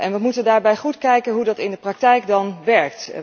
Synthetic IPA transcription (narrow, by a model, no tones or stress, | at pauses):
ʔɛnʋəmutəndaːɹbɛjχutkɛjkənɦudɑtɪndəprɑk̚tɛjkdɑnʋɛɹkt